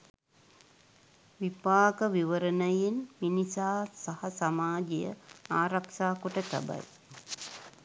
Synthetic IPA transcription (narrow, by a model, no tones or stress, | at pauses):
ʋipaːkəʋiʋəɾənəjenminisaːsahɐsamaːd͡ʒijə̰aːɾakʃaːkoʈət̪a̰ba̰j